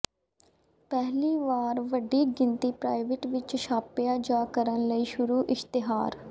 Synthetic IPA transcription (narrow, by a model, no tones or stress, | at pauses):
pɛɦliːʋaːɾʋəɖiːɡɪ̃nt̪iːpɾaːɪʋɪʈʋɪt͡ʃʃʰaːpɪjaːd͡ʒaːkəɾənləiːʃʊɾuːʔɪʃt̪ɪɦaːɾ